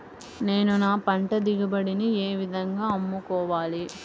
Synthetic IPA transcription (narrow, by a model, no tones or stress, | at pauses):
ne̞ːnunaːpɐɳʈɐd̪iɡɐbɐɽinieːʋid̪ʱɐŋɡaːɐmːukɔːʋaːli